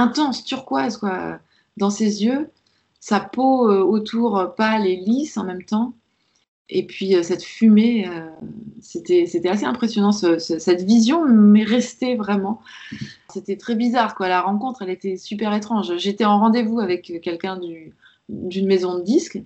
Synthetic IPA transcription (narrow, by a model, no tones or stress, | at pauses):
ɛ̃t̪ɑ̃st̪yʁkwazkwaø̰ | d̪ɑ̃sezjø | sapoøot̪ʰuʁpalelisɑ̃mɛmt̪ɑ̃ | epʰɥiøsɛt̪fymeøset̪ɛset̪ɛaseɛ̃pχesjɔnɑ̃səsəsɛt̪vizjɔ̃mɛʁɛst̪evʁɛmɑ̃ | set̪ɛt̪χɛbizaʁkwalaʁɑ̃kɔ̃t̪χɛlet̪ɛsypɛʁet̪χɑ̃ʒʒet̪ɛɑ̃ʁɑ̃d̪evuavɛkkːɛlkʲɛ̃d̪y | d̪ynmezɔ̃d̪əd̪isk